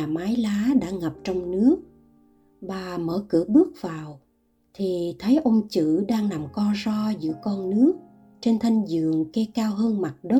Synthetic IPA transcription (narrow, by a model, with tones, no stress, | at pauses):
aː˨˩maː˨˦jlaː˨˦ɗa̰ː˧˥ŋə˨˩p̚t͡ɕɔ˧wŋ͡mnɨ˦˥ək̚ | ɓaː˨˩mə̰ː˧˩kɨ̰˧˩əɓɨ˦˥ək̚vaː˨˩w | t̪ʰi˨˩t̪ʰə˨˦jʔə˧wŋ͡mt͡ɕɨ̰˧˨ɗaː˧ŋna˨˩mkɔ˧zɔ˧zɨ̰˧˥əkɔ˧nːɨ˦˥ək̚ | t͡ɕe˧nt̪ʰa˧jŋ̟zɨ̰˧˨əŋkɛ˧kaː˧wɦəː˧nma˨˩t̚ɗə˦˥